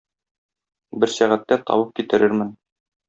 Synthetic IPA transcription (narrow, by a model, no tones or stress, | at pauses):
bɘɾsæʁæt̪ːæt̪ɒ̰wɤp̚kit̪ɘ̆ɾɘɾmɘn